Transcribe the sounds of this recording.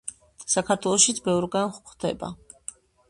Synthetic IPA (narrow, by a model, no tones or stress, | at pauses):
sakʰaɾt̪ʰwɛlˠɔʃit̪sʰbɛvɾɡanχχd̪ɛ̰ba̰